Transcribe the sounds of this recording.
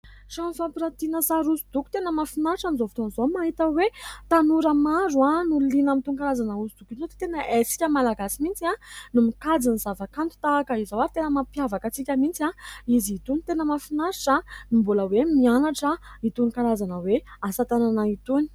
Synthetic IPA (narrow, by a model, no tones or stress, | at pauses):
ʂanifampiɾat̪inəsaɾusud̪̥uku̥t̪enəmafinaɾʈ͡ʂamizovi̥t̪onzomaɦit̪əwet̪anuɾəmaɾuanulinamit̪uŋkaɾazanəusud̪̥ukizot̪i̥t̪enəʔesi̥kʲəmalaɡasimint͡sianumikad͡zinizavakant̪u̥t̪aːkəizawaɾit̪enəmapjavakət͡sikʲəmint͡saiziit̪unit̪enəmafinaɾiʈ͡ʂanimbuləwemianaʈ͡ʂəit̪unkaɾazanəweasat̪ananait̪uni̥